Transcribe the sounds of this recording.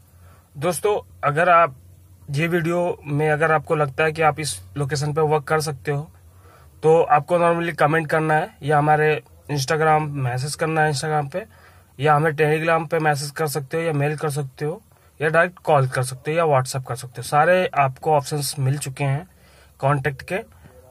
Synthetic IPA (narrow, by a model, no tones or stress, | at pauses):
d̪oːst̪õɐɡəɾaːp̚jeʋiːɖijomẽɐɡəɾaːp̚kolɐɡ̚t̪aɦɛk̬iaːpɪsloːk̬eːʃ̬ənp̬eʋɐɾkːɐɾs̬ɐk̚t̪eɦoː | t̪oaːp̚konɔːɾməlikɐmẽːɳʈ̚kɐɾnaɦɛjaɦɐmaːɾe | ɪ̃ns̬ʈaːɡɾaːmːɛːs̬ed͡ʒkɐɾnaɦɛɪns̬ʈaːɡɾaːmpe | jaɦɐmẽʈeːliɡɾaːmpemɛːs̬ed͡ʒkɐɾsɐk̚t̪eɦojameːlkɐɾs̬ɐk̚t̪eɦoː | jaɖaːɾɛːk̚ʈkɔːlkɐɾsɐk̚t̪eɦojaʋaːʈsɛːp̚kɐɾsɐk̚t̪eɦosaːɾeaːpkoɔːpʃənsmɪlt͡ʃʊkeɦɛ̃ː | kɔ̃ːɳʈɛːk̚ʈkeː